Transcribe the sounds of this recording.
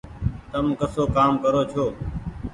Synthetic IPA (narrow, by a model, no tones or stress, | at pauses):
t̪əmkəsoːkaːmkəɾoːt͡ʃʰoː